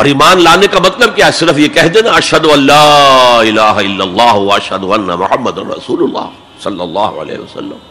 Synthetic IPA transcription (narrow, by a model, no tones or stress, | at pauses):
ɔːɾiːmaːnlaːnekamɐt̪ləb̚kjasɪɾəfjekɛɦd̪enaɐʃɦɐd̪oɐlːaːɪlaːɦɪlːɐlˤːɑːɦʋɐɐʃɦɐd̪ʊɐnːɐ̰mʊħɐmːɐd̪ɐnɾɐ̰suːlʊlːɑ̰ː | sɐlːɐlːɑːɦo̰ɐ̰lḛːɦeʋɐsɐ̰lːəm